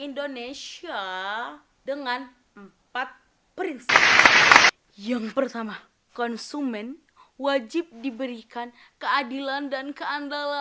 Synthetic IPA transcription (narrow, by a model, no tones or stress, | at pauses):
indonesia | dəŋan | əm | pat̪̚ | pəɾinsip | jaŋpərt̪ama | kɔnsumɛn | wad͡ʒip̚dibəɾikan | kəadilandankəandala